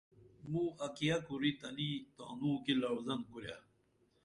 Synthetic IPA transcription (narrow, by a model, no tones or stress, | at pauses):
mũːɐkijɐkuɾit̪ɐlit̪a̰ːnũːkilɐwzɐnkuɾja̰